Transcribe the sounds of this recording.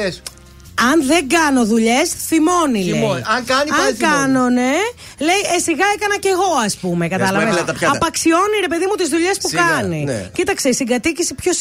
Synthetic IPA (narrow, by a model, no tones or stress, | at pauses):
ɐnðe̞ŋɡɐno̞ðuʎe̞sθimo̞nileɐŋkɐniɐkɐno̞ne | le̞jesiɣɐekɐnɐce̞ɣo̞ɐspumekɐt̪ɐlɐvveɐɐpɐksio̞niɾe̞pe̞ðimut̪izðuʎe̞spukɐnincit̪ɐkseisiɡɐt̪icisipços